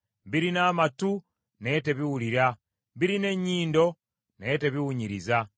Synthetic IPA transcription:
biɾinaːmatu | nete̞βiwuliɾa | biɾine̞ɲːiːndo̞ | neteβiwuɲiɾiza

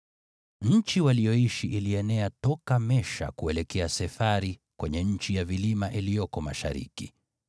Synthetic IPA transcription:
ɲ̩t͡ʃiwalijɔiʃiʔiliɛnɛatɔkamɛʃa̰kuɛlɛkɛasɛfaɾikwɛɲɛɲ̩t͡ʃijavilimaʔilijɔkɔma̰ʃa̰ɾḭkḭ

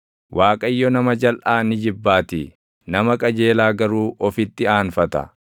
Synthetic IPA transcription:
wʔaːkʼɐjːɔnɐmɐd͡ʒɐlʔaːnɪd͡ʒɪbːaːt̪ɪ | nɐmɐkʼɐd͡ʒe̞ːlaːɡɐɾuːʔɔfɪt̪ːɪaːnfɐt̪ɐ̰

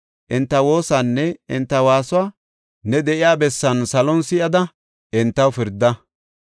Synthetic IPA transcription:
ʔɪnt̪ːɐwo̞ːsanːɛɪnt̪ːɐwaːsʊaː | nɛd̪ɛʔɪjaːbɛsːɐnsɐlɔnsɪʔɐd̪ɐ | ɪnt̪ːɐwfɪɾd̪ːɐ

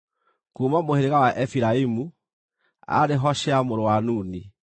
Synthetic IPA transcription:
kumamoheɾeɣawaʔefiɾaimu | a̰ɾeɦɔʃeamoɾowanuːni

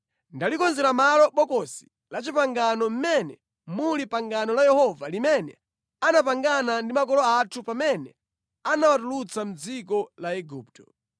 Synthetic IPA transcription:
ndalikɔnzɛɾamalɔɓɔkɔsi̥ | lat͡ʃipaŋɡanɔm̩mɛnɛ̰ | mulipaŋɡanɔlajɛhɔvalimɛnɛ | anapaŋɡanandimakɔlɔatʰupamɛnɛ | anawatulut͡sam̩d͡zikɔlaɛɡuːp̚tɔ

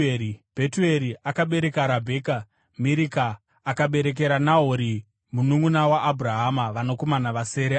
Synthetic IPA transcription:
ib̥ʱetue̞ɾiʔakaɓe̞ɾe̞kaːɾabʱe̞ːka | miɾikaː | kaɓe̞ɾe̞k̬e̞ɾanaɦoɾi | munuŋunawaʔːbʱuraɦamaʋano̞ko̞manaʋase̞ːɾe

